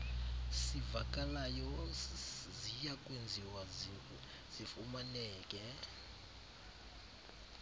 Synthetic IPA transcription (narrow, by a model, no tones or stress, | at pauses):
sivakʼalajɔ | zijakʼwend͡zʱiwaziu | z̥ifumanɛːkʼɛ